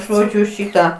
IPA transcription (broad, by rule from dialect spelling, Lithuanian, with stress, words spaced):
ˈʒoːd͡ʒʲʊ ˈʃʲiːtɐ